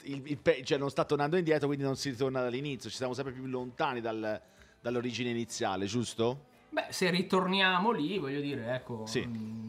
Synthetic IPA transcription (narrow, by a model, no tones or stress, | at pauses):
ililpɛt͡ʃoɛnːonst̪at̪ːornand̪oind̪jɛːt̪ɾokwind̪inonsiɾit̪ornad̪alːinit̪sjot͡ʃi̥sjamos̬ɛmpɾepjulːont̪aːnid̪al | d̪alːoɾiːd͡ʒineinit̪sːja̰ːled͡ʒust̪o | bɛserit̪ornjaːmolivɔʎːod̪iːɾeɛkːosi